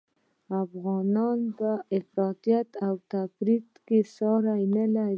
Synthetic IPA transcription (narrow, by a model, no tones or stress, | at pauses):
afɣɑnɑnpəɪfɾɑt̪ijat̪awt̪afɾit̪kesɑɾajnəlaɾi